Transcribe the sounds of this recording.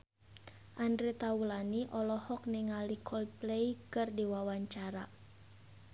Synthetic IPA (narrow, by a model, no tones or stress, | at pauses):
ʔandɾit̪aulaniʔɔlɔhɔk̚niŋalikʰɔlpleikɨrdiwawaɲt͡ʃaɾa